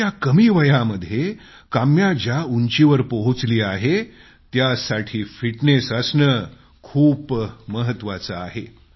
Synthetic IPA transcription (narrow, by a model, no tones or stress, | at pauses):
jakəmiːʋəjaməd̪ʱːje | kamjad͡ʑjauɲt͡ɕiʋəɾpoɦut͡sliːaɦe | t̪jasaʈʰiːfiʈnesəsnə | kʰuːpməɦət̪ːʋat͡səaɦe